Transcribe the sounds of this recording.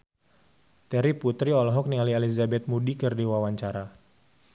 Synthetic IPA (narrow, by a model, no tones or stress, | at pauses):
t̪ɛɾiput̪ɾiɔlɔɦɔk̚nialializabɛt̪̚mudikərdiwawaɲt͡ʃaɾa